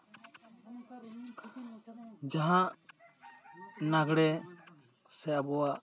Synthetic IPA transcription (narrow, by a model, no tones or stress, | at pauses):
d͡ʒaɦãʔ | naɡɽɛ | sɛʔabɔwaʔ